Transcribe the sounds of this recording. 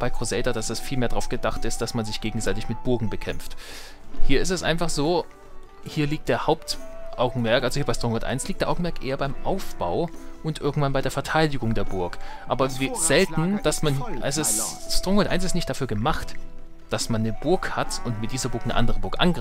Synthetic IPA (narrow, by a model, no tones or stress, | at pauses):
b̥aɪkʁ̥ozɛdɐdasɛsfiːlmeːɐdʁaʊfɡ̥ədaχtɪst̚d̥asmanzɪçɡ̥eːɡŋ̩zaɪtɪçmɪt̚b̥ʊɐɡŋ̩bəkʰɛmft | hiːɐɪstɛsʔa̰ɪnfaχz̥oː | hiːɐliːk̚t̚d̥eːɐhaʊptʔaʊɡŋ̩mɛɐkʔalzohiːɐbaɪstʁɔŋɔtʔa̰ɪnsliːk̚d̥eːɐʔaʊŋ̩mɛɐkʔḛːɐbaɪmʔaʊfb̥aʊʔʊntʔɪɐɡŋ̩tv̥anbaɪdeːɐfɛɐtʰaɪdɪɡʊŋdeːɐbʊɐkʔaːbɐviz̥ɛltn̩d̥asmanʔɛsɪsstʁ̥ɔŋɔntʔaɪnsɪstnɪçt̚d̥afyːɐɡəmaχt | d̥asmanːəbʊɐkhatʊntmɪt̚d̥iːzɐbʊɐknə̰ʔa̰ndəʁəbʊɐkʔa̰nɡʁ